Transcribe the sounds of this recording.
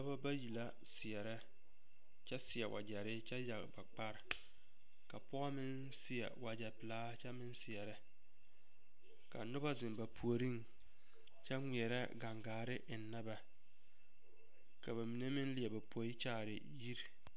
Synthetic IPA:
nʊ˦ba˦ba˦ji˨la˦ | sɪ˨ɛ˨ɾɛ˦ | t͡ʃɛ˦sɪ˨ɛ˨wʔa̰˨d͡ʒɛ˨ɾɪ˦t͡ʃɛ˦ja˨ɡba˨k͡pa˦ɾɪ˨ | ka˨pʊ˦a˦mɪ˦n | sɪ˦ɛ̰˨wa˨d͡ʒɛ˨pɪ˨laː˦t͡ʃɛ˦mɪ˦nsɪ˨ɛ˨ɾɪ˦ | ka˨nʊ˦ba˦zɪ˨mba˨pʰu˨o˨ɾi˦ŋ | t͡ʃɛ˦ŋʷi˨ɛ˨ɾɛ˦ɡa˨ŋɡaː˨ɾɪ˦ʔɪ˨nː˦a˦ba˨ | ka˨ba˨mi˨ne˦mɪ˦n˦lɪ˨ɛ˨ba˨pʰo˨˦i˦t͡ʃaː˦˨ɾɪ̰˨ | ji˦ɾ

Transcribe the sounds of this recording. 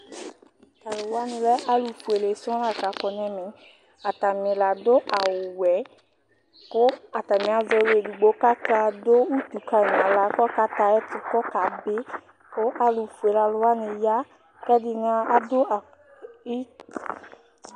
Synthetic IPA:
t̪a˨lo˨wa˦nĩ˨lɛ˦ʔa˦lu˨fu˨e˨le˨sɔ̃˦la˨ka˨kɔ˨nɛ̃˦mẽ˨ | a˨t̪a˨mĩ˨la˨d̪o˦ʔa˨wʊ˨wɛ˨˦ | kʊ˦a˨t̪a˨mĩ˨a˨zɔ˨˦˨we˨du˨ɡ͡bo˨˦ka˦ta˦d̪o˦wu˦t̪u˨ka˦˨ã˨la˨˦kka˦t̪a˨ɛ˦t̪u˨kɔ˦ka˨be˦ | ko˦ʔa˨lu˨fu˨e˨la˨lo˨wa˦ne˨ja˦ | kɛ˦di˦nã˦a˨d̪o˦a˨ | i˦˨

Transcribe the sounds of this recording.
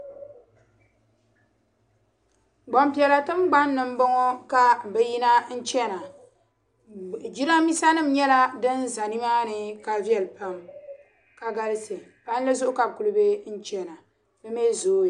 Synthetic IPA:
ɡ͡bɔ˨mpi˨ɛ˨la˨tɨ˦mɡ͡ba˦nːɨ˨m̩˦bɔ˦ŋɔ˦ka˨bɛ˨ji˦na˦n̩˦t͡ʃɛ˦na˨ | d͡ʒi˦ɾa˦mi˦sa˦nɨ˦˨m̩˨ɲɛ˦la˦dɨ˦n˦za˨ni˦ma˦nɨ˨ka˨vi˦ɛ˨lɨ˨pa˦m | ka˨ɡa˦lɨ˦se˨ | pa˦n˦lɨ˦zʊ˦ʔʊ˦ka˨bku˨lɨ˦be˦n̩˦t͡ʃɛ˦na˨ | bɛ˦mɛ˦zoː˨˦˨

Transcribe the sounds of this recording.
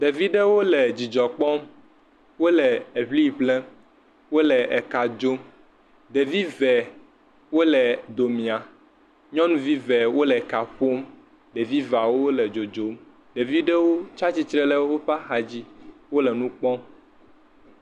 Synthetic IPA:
ɖe˨vi˦ɖe˦wo˦lɛ˨d͡ʑi˨d͡ʒɔ˨k͡pɔ˦m | wo˦lɛ˨e˨ɸli˦˨blɛ˦ | wo˦lɛ˨ʔɛ˨ka˨d͡ʒo˦m | ɖe˨vi˦vɛ˨ | wo˦lɛ˨d̪o˨mĩ˨a˨ | ɲɔ̃˦nũ˦vi˦vɛ˨wo˦lɛ˨ka˨ɸo˦m | ɖe˨vi˦va˨wo˦lɛ˨d͡ʒo˨d͡ʒo˨˦m | ɖe˨vi˦ɖɛ˦wo˦t͡ʃa˦t͡ɕi˦t͡ʃɾɛ˦lɛ˦wo˦ɸa˦xa˨d͡ʑi˦wo˦lɛ˨nũ˦k͡pɔ˦m

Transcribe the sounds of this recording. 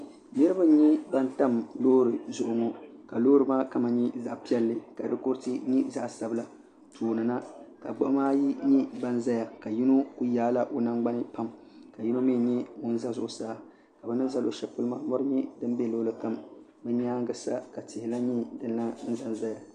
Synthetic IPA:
nɨ˦ɾɨ˦ba˦ɲɛ˦ba˦nta˦mloː˦ɾɨ˨zʊ˨ʔʊ˨ŋɔ˦ka˨lo˦ɾɨ˨maː˦ka˦ma˨ɲɛ˦za˨ʔpi˦ɛ˦lːɨ˦˨ka˨dɨ˦ko˦ɾtɨ˦ɲi˦za˦ʔsa˨bɨ˦la˨ | tʰoː˨nɨ˨na˦ka˨ɡ͡bo˦ʔmaː˦ji˦ɲi˦ba˦n˦za˦ja˨ka˨ji˦nu˦ku˦jaː˦la˦ʔo˦na˦ŋɡ͡ba˦nɨ˦pa˦m | ka˨ji˦no˦mi˦˨ɲɛ˦mʊ˦n̩˦za˦zʊ˦˨ʔʊ˨saː˦˨ | ka˨bɨ˦nɨ˦nza˦lʔo̰˨ʃɛ˨pu˦lɨ˦ma˨mɔ˦ɾɨ˦ɲɛ˦dɨ˦m˦bɛ˦loː˦lɨ˦ka˦˨m | bɛ˦ɲɛ˦a˦ŋɡɨ˦sa̰˦ka˨tɪ˨hɪ˨la˦ɲɛ˦dɨ˨nː˦a˦n̩˦za˦˨nza˦ja˨

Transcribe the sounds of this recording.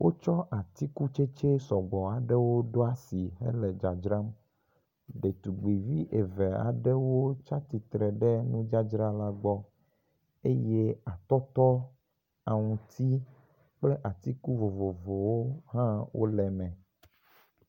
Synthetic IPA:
wʔo˦t͡ʃɔ˦ʔa˨t̪i˦ku˦t͡ʃe˦t͡ʃe˦sɔ˨ɡ͡bɔ˨a˨ɖɛ˦wo˦ɖo˦a˦si˨ɦḛ˦lɛ˨d͡ʒa˨d͡ʒɾa˦m | ɖe˨t̪u˨ɡ͡bi˨vi˦ʔe˨ve˨a̰˨ɖɛ˦wo˦t͡ʃa˦t̪i˨t̪ɾɛ˨ɖɛ˦nũ˦d͡ʒa˦d͡ʒɾa˦la˦ɡ͡bɔ˦ | e˦je˦a˨t̪ɔ˦t̪ɔ˦ | a˨ŋũ˨t̪ʰi˦ | k͡ple˦ʔa˨t̪i˦ku˦vo˨vo˨vo˨wo˦ɦã˦wo̰˦lɛ˨mɛ̃˨

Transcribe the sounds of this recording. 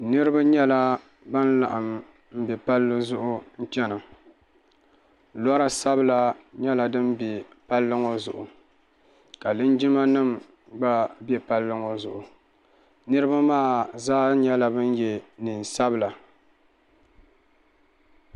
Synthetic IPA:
nɨ˦ɾɨ˦ba˦ɲɛ˦la˦ | ba˦n˦la̰˨ʔa˨m˨ | m̩˦bɛ˨pa˦lːɨ˦zʊ˦ʔʊ˦n̩˦t͡ʃɛ˦nɨ˨ | lɔ˦ɾa˦sa˦bɨ˦la˦ɲɛ˦la˨dɨ˦mbɛ˨pa˦lːɨ˦ŋo˦zʊ˨ʔʊ˨ | ka˨lɨ˦nd͡ʒi˦ma˦nɨ˦m | ɡ͡ba˦bɛ˦pa˦lːɨ˦ŋo˨zʊ˨ʔʊ˨ | nɨ˦ɾɨ˦ba˦maː˦˨zaː˦ɲɛ˦la˨bɨ˦n˦jɛ˨nɨ˨n˨sa˦bɨ˨la˨

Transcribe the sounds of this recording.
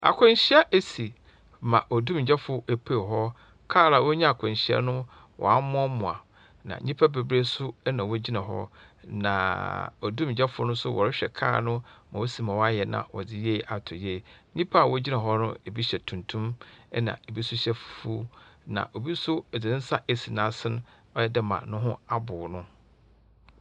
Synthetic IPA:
a̰˨kʰʊ̃˨˦ɲɕɪ˦ɛ˦ʔe˦si˨ | mã˨ʔɔ˨dũ˦m̩˨d͡ʑɛ˦fʊ˦e˨pʰe˦˨ɦɔ˦ | kʰaː˦˨la˨wɔ˦ɲã˦a˨kʰʊ̃˨ɲ˨ɕɪ˦ɛ̰˦nʊ̃˦ | wʔɔ̰˨a˦m˦ɔ̃˦mʊ̃˨a̰˨ | nã̰˨˦ɲĩ˦pʰa˦be˨bɾe˦sʊ˦ɛ˦nã˨wo˦d͡ʑi˦nã˨ɦɔ̰˦ | nã̰˨ɔ˨dũ˦m̩˨d͡ʑɛ˦fʊ˦nʊ̃˦sʊ˦wɔ̰˨ɾɪ˦ɕᶣɛ˨kʰa̰ː˦˨nʊ̃˦mã˨wo˦si˨mã˨wa˦jɛ˨nã̰˨wɔ̰˨dɪ˦je˦˨a˨tʰʊ˨je˦˨˦ɲĩ˦pʰa˦a˨wɔ˦d͡ʑi˦nã˨ɦɔ˦nʊ̰̃˦e˨bi˦ɕɛ˨tʰũ˨ntʰũ˦mɛ˦nã̰˨e˨bi˦sʊ˦ɕɛ˦ffu˦nã̰˨ʔo˨bi˦sʊ˦˨d͡zɪ˨ɪ̃˦n̩˦sa˦ʔe˨si˨nã˨˦sɪ˦n˦ | ɔ˦jɛ˦dɪ˦mã̰˨nʊ̃˦ɦʊ̃˦a˦bʊ˨nʊ̃˦

